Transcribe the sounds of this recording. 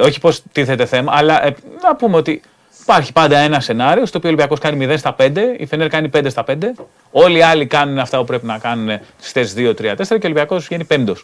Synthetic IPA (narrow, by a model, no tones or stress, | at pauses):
o̞çi̥po̞st̪iθe̞t̪e̞θe̞mɐːlɐʔenɐpumeo̞t̪i | ipɐɾçi̥pɐnd̪ɐe̞nɐse̞nɐɾiost̪opiolibiɐko̞skɐnimiðenst̪ɐpe̞nd̪e̞ḭfeneɾkɐnipend̪est̪ɐpe̞nd̪e̞ | o̞liɐlikɐnuneɐft̪ɐpupɾe̞pinɐkɐnune̞̥st̪esðio̞t̪ɾiɐt̪e̞seɾɐceolibiɐko̞sʝenipe̞nd̪o̞s